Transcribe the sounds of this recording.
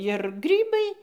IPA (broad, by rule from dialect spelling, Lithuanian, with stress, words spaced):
ɪr ˈɡrʲiːbɐɪ